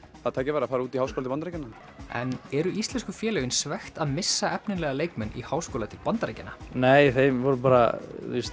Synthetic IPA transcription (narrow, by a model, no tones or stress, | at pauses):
θaðt̪ʰaːjcɪɾvaɾafaːɾuːt̪ihawskʰoːlt̪ɪpanɾajcɪnːa | ɛ̰nɛɾʏʔist̪lɛnskʏfjɛːlɛɣɪnsvɛxt̪aðmɪsːaɛpnɪnlɛɣaleːjkmɛnḭhawskoːwlat̪ʰɪlpant̪ɾḛjcɪnaneːjθejmvɔɾʏpaːɾa̰is